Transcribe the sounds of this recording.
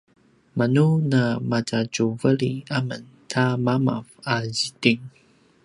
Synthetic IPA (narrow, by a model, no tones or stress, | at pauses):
manunamat͡saɟuvəliamən | tʰamama̰vazitiŋ